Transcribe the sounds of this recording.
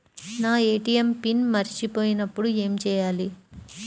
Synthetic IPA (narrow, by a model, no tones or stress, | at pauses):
naːeːʈijempinmɐɾit͡ʃipo̞ːjinɐpːuɽue̞ːmt͡ʃɛːjaːli